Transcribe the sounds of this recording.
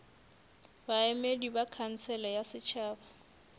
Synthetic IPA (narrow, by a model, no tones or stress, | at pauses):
baɛmedibakʰan̩t͡sʰɛlajasɪt͡ʃʰaːba